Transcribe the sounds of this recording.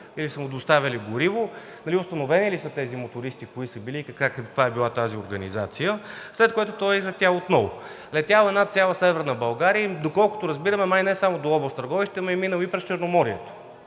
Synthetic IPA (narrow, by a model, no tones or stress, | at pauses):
ilisəmʊd̪ost̪avʲɐliɡʊɾivʊ | nɐliʊst̪ɐnovɛnilisət̪ɛzimot̪ʊɾist̪ikoisəbiliːkɐkakvaɛbilˠat̪azioɾɡənizat̪sijəslɛt̪̚koɛt̪ʊt̪ɔizɐt̪ʲaot̪nɔvo̰ | lɛt̪jalˠɛnat̪sʲjalˠəsɛvɛɾnəbɐlˠɡaɾijəid̪okɔlˠkʊ̥t̪ʊɾɐzbiɾəmɛmajnɛsamod̪oɔbost̪ɐɾɡɔviʃt̪ɛmɐiminəlˠipɾɛst͡ʃɛɾnomɔɾiɛt̪o̥